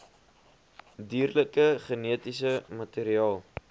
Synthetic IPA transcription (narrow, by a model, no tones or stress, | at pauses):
diːrləkəχəniətisəmɐtiːɾiɑːlˠ